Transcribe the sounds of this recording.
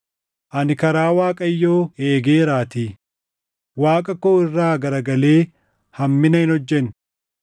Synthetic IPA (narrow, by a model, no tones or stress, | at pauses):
ʔɐnɪkɐɾaːwaːkʼɐjːo̞ːe̞ːɡeːɾaːt̪iː | waːkʼɐkːoːɪrːaːɡɐɾɐɡɐle̞ː | hɐmːɪnɐɪnɔd͡ʒːɛn